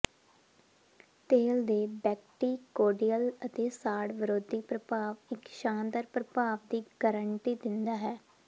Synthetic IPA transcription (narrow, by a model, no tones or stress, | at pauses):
t̪eːld̪eːbɛːkʈiːkoːɖijələt̪eːsaːɽʋəɾoːd̪iːpɾəpaːʋɪkʃãːnd̪əɾpɾəpaːʋd̪iːɡəɾəɳʈiːd̪ɪnd̪aːɦɛː